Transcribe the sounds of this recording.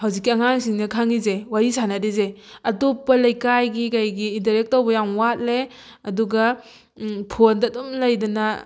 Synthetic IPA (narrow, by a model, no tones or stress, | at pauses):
hawzikːiɐŋaŋsiŋnɐkʰaŋizewaɾisanadize | ɐtopːɐlɐjkajɡikajɡiːntaɾek̚tːowbɐjaŋwat̚le | ɐduɡɐ | pʰondɐːdomlɐjdɐnɐ